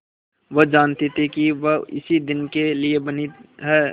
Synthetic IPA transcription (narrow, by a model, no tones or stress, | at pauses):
ʋəd͡ʒaːnt̪et̪ʰikiʋəɪ̰sid̪ɪnkeliebɐniɦɛː